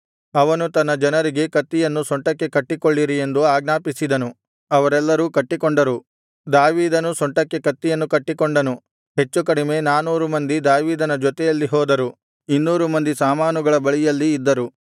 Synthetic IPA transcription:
ɐʋɐnut̪ɐnːɐd͡ʒɐnɐɾiɡe̞kɐt̪ːijɐnːusɔɳʈɐkːe̞kɐʈːikoɭːiɾie̞nd̪uaːɡnaːpisid̪ɐnu | ɐʋɐɾɛlːɐɾuːkɐʈːikoɳɖɐɾu | d̪aːʋiːd̪ɐnusɔɳʈɐkːe̞kɐt̪ːijɐnːukɐʈːikoɳɖɐnu | ɦe̞t͡ʃːukɐɽime̞naːnuːɾumɐnd̪id̪aːʋiːd̪ɐnɐd͡ʒɔt̪ɛjɐlːiɦɔːd̪ɐɾu | inːuːɾumɐnd̪isaːmaːnuɡɐɭɐbɐɭijɐlːiːd̪ːɐɾu

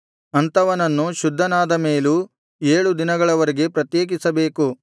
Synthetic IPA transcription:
ɐnt̪ɐʋɐnɐnːuʃud̪ʱːɐnaːd̪ɐmeːlu | eːɭud̪inɐɡɐɭɐʋɐɾeɡe̞pɾɐt̪jeːɡisɐbeːku

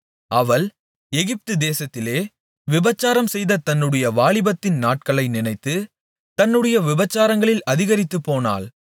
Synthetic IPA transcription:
ɐʋɐɭ | ɛɣɪp̚t̪ɯd̪eːsɐt̪ːɪleː | ʋɪbɐt͡ʃːaːɾɐmsɛjðɐt̪ɐnːɯɽɐjɐʋaːɭɪbɐt̪ːɪnnaːʈ̚kɐɭɐɪnɪnɐɪt̪ːɯ | t̪ɐnːɯɽɐjɐʋɪbɐt͡ʃːaːɾɐŋɡɐɭɪlɐðɪɣɐɾɪt̪ːɯpːoːna̰ːl

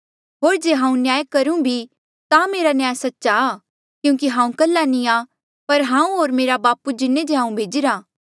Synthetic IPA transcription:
ɦoːɾd͡ʒeːɦãːũnɪjaːjkɐɾũbʱi | t̪ameːɾanjaːjsɐtːʃaː | kjũːk̬iɦãːũkɐlːanĩa | pɐɾɦãːũɦoːɾmeːɾabaːpud͡ʒɪnːẽd͡ʒeɦãːũbʱeːd͡ʒɪɾaː

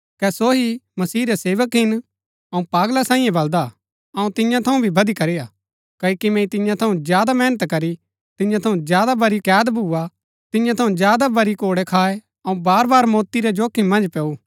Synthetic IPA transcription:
kɛsoɦimɐsiːɾɛseːʋəkɦɪn | ɐũpaːɡlasãːĩːjɛ̃bɐld̪a | ɐũt̪ɪ̃jãt̪ʰɐũbʱibʱɐd̪ikɐɾijaː | kɐkimɛ̃ːĩt̪ɪ̃jãt̪ʰɐũzjaːd̪amɛːnət̪kɐɾi | t̪ɪ̃jãt̪ʰɐũd͡ʒjaːd̪abɐɾikjaːd̪bʱuːa | t̪ɪ̃jãt̪ʰɐũd͡ʒjaːd̪abɐɾikoːɽɛkʰaːe | ɐũbaːɾbaːɾmɔːt̪iɾɛd͡ʒoːkʰimɐ̃nd͡ʒpɛːu

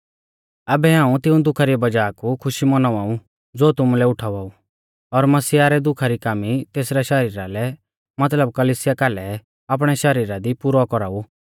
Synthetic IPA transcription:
ɐbɛɦãːũt̪ɪũd̪ʊkʰaɾibɐd͡ʒaːkukʰʊʃimɐnɔʋaːu | d͡zoːt̪ʊmulɛʊʈʰaːʋaːu | ɔɾmɐsiaɾɛd̪ʊkʰaɾikaːmit̪eːsɾaʃɐɾiːɾalɛ | mɐt̪ləb̚kɐliːsɪjakaːlɛ | aːp̬ɽ̃ɛʃɐɾiːɾad̪ipʊɾɔkɔɾaːu

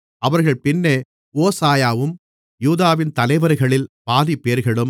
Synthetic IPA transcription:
ʔɐʋɐɾɣɐɭpɪnːeː | oːsaːjaːʋɯm | juːðaːʋɪnt̪ɐlɐɪʋɐɾɣɐɭɪlpaːðipːeːɾɣɐɭɯm

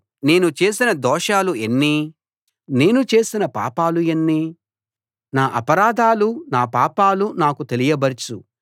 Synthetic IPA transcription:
ne̞ːnut͡ʃe̞ːsinɐd̪ɔːʂaːluenːi | ne̞ːnut͡ʃe̞ːsinɐpa̰ːpaːlujɐnːiː | naːʔɐpɐɾaːd̪ʱaːlunaːpaːpaːlunaːkut̪e̞lijɐbɐɾt͡ʃu

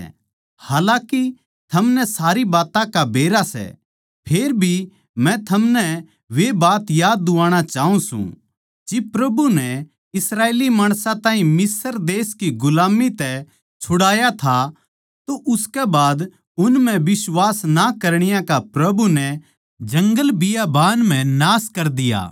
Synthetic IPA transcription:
haːlãːki | t̪ʰɐmnɛsaːɾibaːt̪ãkabʱeːɾasɛ̰ | pʰeːɾbʱi | mɛ̃t̪ʰɐmnɛ | ʋebaːt̪jaːd̪ːʊʋaːɽ̃at͡ʃaːɦũsṵ̃ | d͡ʒɪbpɾɐbunɛ | ɪsɾaːeːlimaːɽ̃sãt̪ãːɦĩmɪsəɾd̪eːskiɡʊlaːmit̪ɛ | t͡ʃʰʊɽaːjat̪ʰa | t̪oʔʊskɛbaːd̪ | ʊnmɛ̃ʋɪswaːsnakɐɾɽ̃ɪjãkapɾɐbunɛ | d͡ʒɐ̃ŋɡəlbɪjabaːnm̤ɛ̃naːskɐɾd̪ɪja̰ː

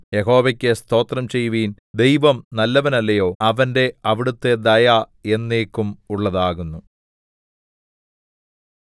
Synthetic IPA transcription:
jeɦo̞ːʋɐkʲːest̪o̞ːt̪rɐmt͡ɕe̞jːuʋiːn | d̪e̞jʋɐmnɐlːɐʋɐnɐlːɐjo̞ːɐʋɐnde̞ɐʋiɽut̪ːe̞d̪ɐja | e̞nːeːkːumuɭːɐðaːɣunːu

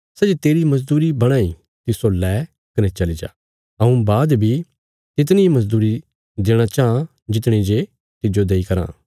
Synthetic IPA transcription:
sɛd͡ʒet̪eːɾimɐzd̪uːɾibɐɽ̃aːi | t̪ɪsolɛː | kɐnɛt͡ʃɐlid͡ʒa̰ː | ɐũbaːd̪bʱi | t̪ɪt̪̬nimɐzd̪uːɾi | d̪eːɽ̃at͡ʃaːɦã | d͡ʒɪt̪ɽ̃id͡ʒe | t̪ɪd͡ʒod̪eːikɐɾã̰ː

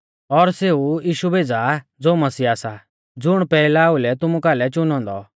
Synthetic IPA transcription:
ɔɾseːujiːʃubʱeːd͡zad͡zoːmɐsiːaːsa | d͡zʊɽ̃pɛːlaːulɛt̪ʊmukalɛt͡ʃʊnɔ̃ːnd̪ɔ̰

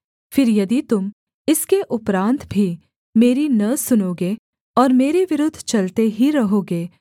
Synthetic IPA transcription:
fɪɾjɐd̪it̪ʊm | ɪskeʔʊpɾãːnt̪bʱi | meːɾinɐsʊnoːɡeː | ɔːɾmeːɾeʋɪɾʊd̪ʱːt͡ʃɐlt̪eɦiɾɐɦoːɡeː

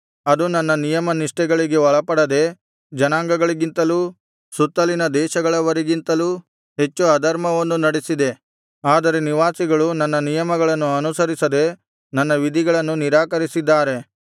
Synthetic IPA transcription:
ɐd̪unɐnːɐnijɐmɐniʂʈɛɡɐɭiɡe̞ʋɔɭɐpɐɽɐd̪e̞ | d͡ʒɐnaːŋɡɐɡɐɭiɡint̪ɐluː | sut̪ːɐlinɐd̪ɛːʃɐɡɐɭɐʋɐɾiɡint̪ɐluː | ɦe̞t͡ʃːuɐd̪ɐɾmɐʋɐnːunɐɽesid̪e̞ | aːd̪ɐɾe̞niʋaːsiɡɐɭunɐnːɐnijɐmɐɡɐɭɐnːuɐnusɐɾisɐd̪e̞ | nɐnːɐʋid̪ʱiɡɐɭɐnːuniɾaːkɐɾisid̪ːaːɾe̞

